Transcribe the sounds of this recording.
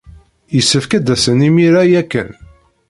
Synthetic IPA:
jəsːəfkæd̪æsənimiɾæjækːə̰n

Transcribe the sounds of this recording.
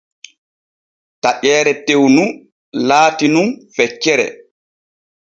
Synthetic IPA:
taʔɛːɾɛtewnu | laːtinunfɛt͡ʃːɛɾɛ̰

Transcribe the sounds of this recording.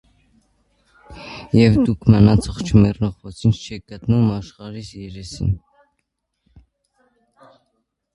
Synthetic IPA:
jɛvd̪ukʰmənɑt͡sʰɔχt͡ʃʰəmɛrnɔʁvɔt͡sʰinʰt͡ʃʰɛk̚ɡət̪numɑʃχɑɾisjɛɾɛsḭn

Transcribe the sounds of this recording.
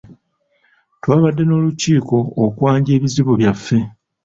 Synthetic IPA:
twaːβadːe̞no̞ːluciːko̞ːkwaːɲɟe̞ːβiziβoβjafːe̞

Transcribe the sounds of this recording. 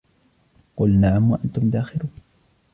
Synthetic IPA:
qʊlnaʕamwaʔant̪ʊmd̪aːxɪɾuːn

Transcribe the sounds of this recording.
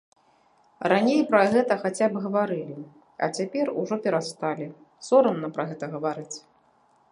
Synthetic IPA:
ranʲejpɾɐɣɛt̪ɐxat͡sʲabɣɐvaɾɨlʲi | ɐ̰t͡sʲapʲɛruʐɔpʲɛɾast̪alʲi | sɔɾɐnnːɐpɾɐɣɛt̪ɐɣɐvaɾɨt͡sʲ

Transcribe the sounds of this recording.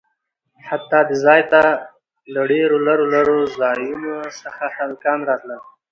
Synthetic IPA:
hat̪ːɑd̪əzɑjt̪a | laɖeɾolaɾolaɾozɑjunosəxahalkɑmɾɑt̪lə

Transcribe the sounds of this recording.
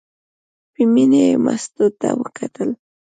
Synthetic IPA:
piminema̰sd̪ud̪̚t̪ːawəkʰat̪əl

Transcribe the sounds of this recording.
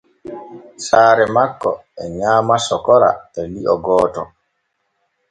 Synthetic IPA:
saːɾɛmakːɔ̰ɛɲaːmasɔkɔɾa̰ɛliʔɔɡɔːtɔ

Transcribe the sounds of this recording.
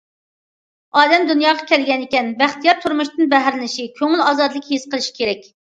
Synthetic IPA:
ɑːd̪ɛmd̪unjɑːʁɑkʲʰɛlɡʲɛnɪkʲɛnbæχt̪ijɑɾt̪ʰuɾmuʃt̪ɨnbɛɦæɾlɪnɪʃikʲʰøŋɪlɑːzɑd̪lˠɨkʲhisqʰəlˠɨʃi̥kʲʰeɾɛkʲ

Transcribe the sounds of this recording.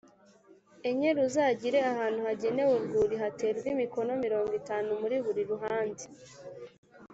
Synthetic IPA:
eɲe̞ɾuzaɟiɾe̞ahaːn̥huhaɟe̞ne̞wuɾɡuːɾiɦate̞ːɾɡwimiko̞no̞miɾo̞ːŋɡitaːnumuɾiβuɾiɾuɦaːnzi̥

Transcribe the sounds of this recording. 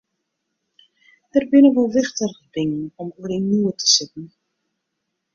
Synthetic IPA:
dərbɪnəʋolˠʋɪχtərɣdɪŋənɔmuərinuətʰə̥sɪtn̩

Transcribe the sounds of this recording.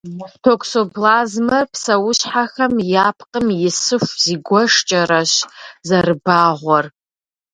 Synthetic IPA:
tʰokʷʰsobʰlazmɐrpʰsɐwʊɕħaxɐmjapʰqʼəmjɪsɨʂʷz̥iɡʷɔʂt͡ʃʼɐɾaʃzarɨbaʁʷɐr

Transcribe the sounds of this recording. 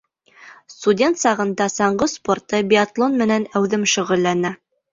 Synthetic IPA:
st̪udʲe̞nt̪sɑʁɤ̆nd̪ɑsɑɴɢɤsport̪ɤbʲɪat̪lˠonmɘ̆nænæwðɘmʃɵ̆ʁɵ̆lːænæ

